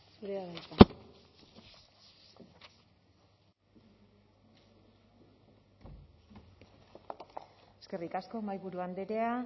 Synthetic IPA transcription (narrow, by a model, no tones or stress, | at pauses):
suɾeaβajk̪a | eske̞rikasko̞majβuɾuand̪e̞ɾe̞a